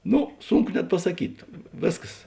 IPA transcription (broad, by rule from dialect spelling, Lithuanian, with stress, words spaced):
ˈnoː ˈsʊŋˌkʊ nʲɛt pɐsɐˈkʲiːt ˈʋʲeːsˌkɐs